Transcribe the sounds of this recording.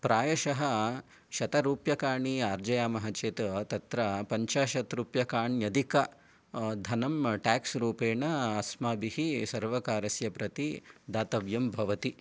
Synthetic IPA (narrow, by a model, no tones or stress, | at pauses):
pɾaːjɐʃɐɦɐ | ʃɐt̪ɐɾuːpjɐkaːɾɳiaːɾd͡ʒɐjaːmɐɦɐt͡ʃeːt̪ɐt̪ɐt̪ɾɐpɐɲt͡ʃaːʃɐt̪ɾuːpjɐkaːɳjɐd̪ʱikɐ | d̪ʱɐnɐmʈaːksɾuːpeːɳɐɐsmaːbihisɐɾʋɐkaːɾɐsjɐpɾɐt̪id̪aːt̪ɐʋjɐmbʱɐʋɐt̪i